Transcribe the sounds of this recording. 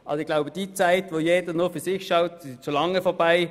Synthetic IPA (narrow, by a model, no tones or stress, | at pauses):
ʔɑ̰bəɪɡ̥laʊbəd̥iːt͡saɪtʋojeːd̥ənofyɐsɪxʃaʊtsɪʃt͡solɑŋːəfɔbaɪ